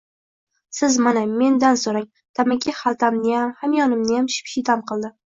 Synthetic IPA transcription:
sɪzmaname̞nd̪ansoɾaŋ | t̪ʰamɪkʲʰɪhalˠt̪ʰamnɪjamhamjɒnɪmnɪjamʃɪ̥pʃɪt̪ʰamqʰɨlˠd̪ɪ

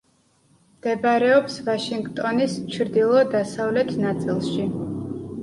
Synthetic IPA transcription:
md̪̥ɛbɾɛɔpsvaʃiŋɡt̪ʼɔnist͡ʃʰɾd̪ilˠɔd̪asavlɛt̪ʰnat̪sʼilˠʃi

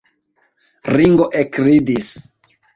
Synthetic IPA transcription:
ɾiŋɡoʔekɾidis

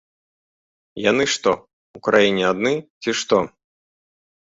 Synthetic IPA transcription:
janɨʂt̪ɔ | ukɾajinʲɛad̪nɨt͡sʲiʂt̪ɔ

